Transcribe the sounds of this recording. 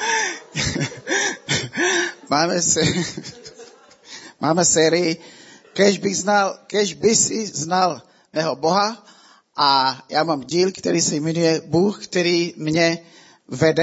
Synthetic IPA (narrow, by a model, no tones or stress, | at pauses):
maːmɛsɛ | mʔaːmɛsɛːɾɪjɪkɛʒbɪɣznalkɛʒbɪsɪznal | nɛɦoboɦa | ʔajaːmaːmɟiːlkt̪ɛɾiːsɛjmɛnujɛbuːxkt̪ɛɾiːmɲɛ | vɛdɛ